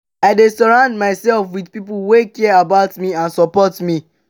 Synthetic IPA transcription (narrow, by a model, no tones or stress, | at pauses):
aɪdɛstɔɹãʊ̃ndmaɪsɛlfwidpipulwekiɛabaʊtmiãnsɔpɔtmi